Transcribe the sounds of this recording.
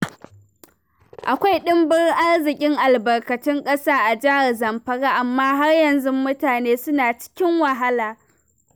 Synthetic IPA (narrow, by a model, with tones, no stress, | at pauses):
ʔa˨kʷa˦jɗɪ˦mbɪ˦rʔa˦rzɪ˨kʲʼɪ˦ŋʔa˨lbɐ˨rkɐ˨tɪ˦ŋkʼɐ˦saː˦ʔa˨d͡ʒaː˦˨zɐ˨mɸɐ˦ɽaː˦ʔa˨mːaː˦ɦa˦rjɐ˨nzʊ˦mːʊ˦taː˨neː˦sʊ˦naː˨t͡ʃɪ̥˦kʲɪ˦ŋwɐ˨ɦa˦laː˨